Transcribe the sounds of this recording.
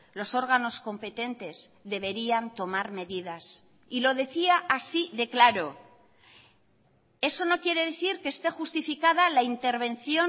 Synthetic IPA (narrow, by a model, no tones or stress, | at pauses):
lo̞so̞ɾɣano̞sko̞mpe̞t̪e̞nt̪e̞zðe̞β̞e̞ɾiant̪o̞maɾme̞ðiðas | ilo̞ðe̞θiaʔasiðe̞klaɾo̞ | e̞so̞no̞kje̞ɾe̞ðe̞θiɾkeːst̪e̞xust̪ifikað̞alaint̪e̞ɾβ̞e̞n̟θjo̞